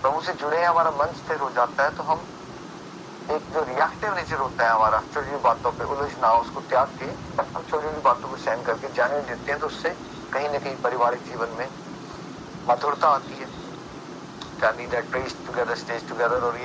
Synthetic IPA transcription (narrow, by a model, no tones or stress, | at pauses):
pɐmũsed͡ʒʊɽeɛ̃ɦɐmaːɾamɐ̃nt͡ʃt̪ʰeɾɦod͡ʒaːt̪aɦɛt̪oɦɐm | eːk̚d͡ʒoːɾɪjaːkʈeʋneːt͡ʃəɾɦoːt̪aɦɛɦɐmaːɾat͡ʃoɽibaːt̪õpeʔʊlod͡ʒnaːʊskot̪jaːɾk̪ʰee | ɐtəmt͡ʃoːɾĩibaːt̪õpesɛːnkɐɾked͡ʒaːñiõd̪ɪt̪ẽɦɛ̃t̪oʊsːe | kɐɦĩnɐ̃kɐĩpɐɾɪʋaːɾisiːʋənmẽ | mɐt̪ʰʊɽt̪aaːt̪iɦɛː | k̪aːnĩd̪aʈɾeːsʈʊɡɛːd̪əɾsʈeːd͡ʒʈʊɡɛːd̪əɾɔːɾje